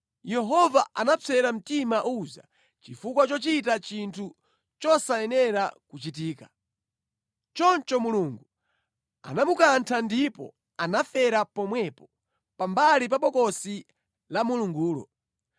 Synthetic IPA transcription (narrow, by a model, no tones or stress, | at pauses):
jɛɦɔvaanat͡sʰɛɾam̩timaʔuza̰ | t͡ʃifuk̬wat͡ʃɔt͡ʃit̬at͡ʃintʰu | t͡ʃɔsaɛnɛɾakut͡ʃitiːkḁ | t͡ʃɔnt͡ʃɔmuluŋɡu | a̰namukantʰandipɔ̰ | anafɛɾapɔmwɛpɔ | pambalip̬aɓɔkɔsi | lamuluŋɡuːlɔ̰